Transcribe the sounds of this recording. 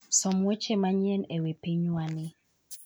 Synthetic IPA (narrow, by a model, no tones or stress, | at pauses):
sɔmwet͡ʃemaɲɛnewepeɲwanɪ